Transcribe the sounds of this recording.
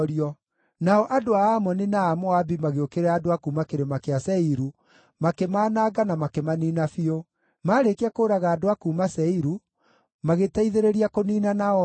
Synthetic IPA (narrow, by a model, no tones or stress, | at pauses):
ɾiɔ | naɔʔadoaamɔninaːmɔabimaɣeokeɾɛadoakuːmakeɾemakeasɛiɾu | makemaːnaːɡanamakemaniːnafio | maːɾekeakoːɾaɣaːdoakuːmasɛiɾu | maɣetaiðeɾeɾiakoniːnanaɔ